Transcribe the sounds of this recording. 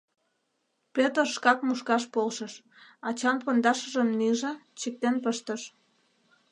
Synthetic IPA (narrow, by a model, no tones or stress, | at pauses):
pet̪oʃkɑkmuʃkɑʃpolʃəʃ | ɑt͡ɕɑnpond̪ɑʃə̆ʒəmniʒɑt͡ɕək̚t̪enpəʃt̪əʃ